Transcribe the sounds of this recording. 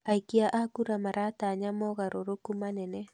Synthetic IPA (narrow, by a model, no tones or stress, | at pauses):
aikiaʔakuɾamaɾat̪aɲamɔɣaɾʔoɾokumanɛnɛ